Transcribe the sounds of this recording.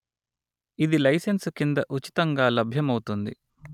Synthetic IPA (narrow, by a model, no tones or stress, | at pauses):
id̪ilɐjsenskind̪ɐʔut͡ʃi̥t̪ɐŋɡaːlɐbʱjɐmɐwt̪und̪ḭ